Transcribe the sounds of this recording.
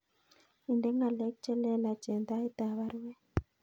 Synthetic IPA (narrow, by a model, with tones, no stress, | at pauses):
i˨ndɛ˦ŋɡa˨lɛ˦k̚t͡ʃɛ˦lɛ˦la˨t͡ʃɛ˨nd̪a˦i˦t̪a˨βa˦ɾu˦wɛ˦